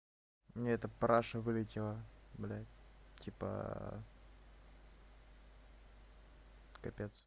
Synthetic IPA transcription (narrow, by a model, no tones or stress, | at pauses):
mnʲeɛt̪əpɾaʂəvɨlʲɪtʲɪlˠəblʲæ̰tʲipə̰ | kɐpʲet̪s